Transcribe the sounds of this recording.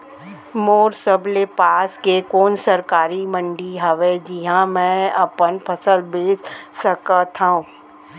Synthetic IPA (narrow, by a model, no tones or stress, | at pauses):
moːɾsəblepaːskekoːnsəɾkaːɾimə̃ɳɖiɦɐʋed͡ʒɪɦãmɛ̃ɐpənpʰɐsəlbeːt͡ʃsəkət̪ʰãũː